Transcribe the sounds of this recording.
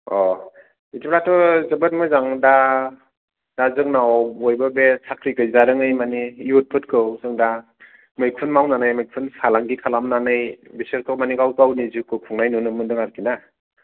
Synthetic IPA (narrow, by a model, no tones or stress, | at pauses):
ɔ | itipɾatʰɔzɯbɯt̚mɯjzaŋda | d̥azɯŋnawbɔjbɯbesʰakʰɾiɡɯjzaɾɯŋɯjmanijut̚pʰɯtkʰɯwsɯŋda | mɯjk̚ʰɯnmawnanɯjmɯjk̚pʰɯnsalaŋɡikʰalamnanɯjbiseɾtʰɔmaniɡawtawnizɯkɯkʰuŋnajnunɯmɯndɯŋaɾkina